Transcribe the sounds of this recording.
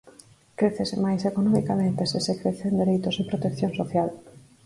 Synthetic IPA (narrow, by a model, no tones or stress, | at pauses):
kɾeθesemajsekonɔmikamẽnt̪esesekɾeθend̪eɾejt̪osepɾot̪ekθjõnsoθjal